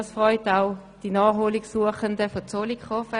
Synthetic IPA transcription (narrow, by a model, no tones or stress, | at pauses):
sfʁɔʏtaʊd̥inɑːχɦoːliksuəχəndəfɔt͡solikχɔfə